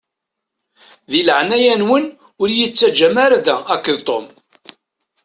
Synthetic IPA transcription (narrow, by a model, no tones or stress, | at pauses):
ðiləʕnæjænwən | ʊɾjət͡sːæd͡ʒæmaɾaðæækːəðt̪ˤom